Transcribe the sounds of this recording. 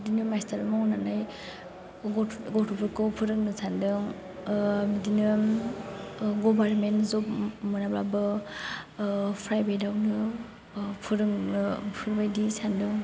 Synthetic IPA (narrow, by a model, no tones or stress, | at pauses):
dinɯmastʰaɾmɔŋnanaj | ɡɔtʰupʰikɔpʰɯɾɯk̚nɯsʰandɯŋ | mdinɯ | ɡɔbaɾmenzɔp̚mɯnabɾabɯ | pʰɾajbajdawnɯ | pʰɯɾɯŋpʰɯɾbajdisʰandɯŋ